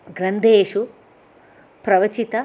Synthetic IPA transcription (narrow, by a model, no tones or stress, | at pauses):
ɡɾɐnd̪ʱeːʂu | pɾɐʋɐt͡ʃit̪ɐ